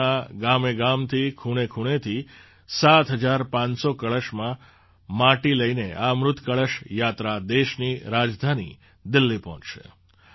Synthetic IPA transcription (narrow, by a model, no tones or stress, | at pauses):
aɡameɡamt̪ʰikʰuɽ̃ekʰuɽ̃et̪ʰi | sat̪ʰɦəd͡ʒaɾpãnsokəɭəʃmã | maʈiləineʔamɾʊt̪ʰkəɭəʃjat̪ɾad̪eʃniɾad͡ʒd̪ʱanḭ | d̪ɪlːipɔɦɔ̃t͡ʃʃḛ